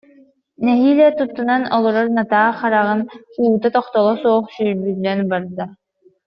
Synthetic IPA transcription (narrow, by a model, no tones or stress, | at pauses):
nɛɦiːlɛt̪ut̪ːunanɔlˠɔɾɔɾnat̪aːχaɾaʁɯnuːt̪at̪ɔχt̪ɔlˠɔsuɔχsyːɾbylːɛnbaɾd̪a